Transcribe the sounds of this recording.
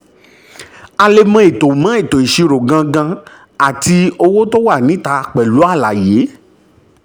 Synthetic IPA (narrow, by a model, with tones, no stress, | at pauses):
a˧le˧mã˧˦i˨to˨mã˨˦i˦˨to˨i˨ʃi˧ɾo˨ɡã˧ɡã˧ | a˨ti˧o˧wo˦to˦wa˦˨nĩ˨˦ta˧k͡pɛ˨lu˨˦a˦˨la˨je˨˦